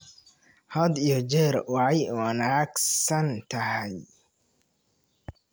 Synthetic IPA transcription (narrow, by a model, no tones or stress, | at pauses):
hɐd̪ijɔd͡ʒɛːɾwɑʕɑjwɐnaːɡsɐnt̪ʰɐɦɛj